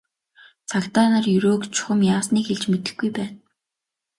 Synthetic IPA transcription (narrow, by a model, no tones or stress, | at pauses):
t͡sʰakt̪aːnə̆rjɵɾoːkt͡ɕʰʊ̥χə̆mjaːsniːkxeɮt͡ɕmet̪ɘ̆xɡujpæːt̪